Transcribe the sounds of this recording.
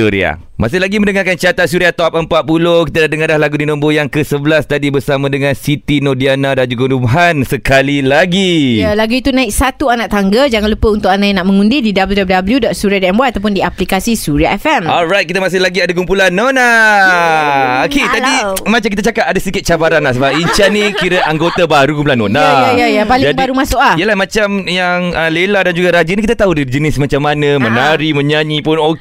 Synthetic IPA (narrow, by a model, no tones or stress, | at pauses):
uɾḭa̰ | ma̰sɪhlaɡimə̃ndəŋaɾkant͡ʃat̪at̪suɾiat̪ɔp̚əmpat̪̚pulohkit̪adadəŋadlahlaɡudinɔ̃mbojaŋkəsəbəlast̪adibəɾsamãdəŋãnsit̪inodianadand͡ʒuɡanumaɦansəkalilaɡijalaɡuit̪unãɪksat̪uanaʔ̚t̪aŋɡəd͡ʒaŋanlupəunt̪ʊk̚anajanaʔmə̃ŋundididabəljudɔp̚ldabəljudɔt̪̚suɾiadɔʔɛmwaat̪awp̬ʊndiaplikasisuɾiaʔɛfɛmɔlɾajt̪̚kit̪əmas̬ɪhlaɡiadak̬umpulanːona | oket̪adimat͡ʃamkit̪̬ət͡ʃakap̚adasəikɪt̪̚t͡ʃabaɾanlahsəbap̚iɲt͡ʃanĩkiɾəʔaŋɡot̪abaɾukumpulanːonajajajapalɪd͡ʒaŋbaɾumasʊklaiəlahmãt͡ʃamjaŋəleladand͡ʒuɡaɾad͡ʒinĩkit̪at̪aɦudiid͡ʒənɪsmat͡ʃamːanəmənaɾimə̃ɲaɲipʊno